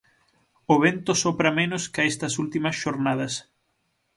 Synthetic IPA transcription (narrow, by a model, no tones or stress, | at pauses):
oβent̪osopɾɐmẽnʊskɪaɛst̪ɐsult̪imɐsʃoɾnað̞ɐs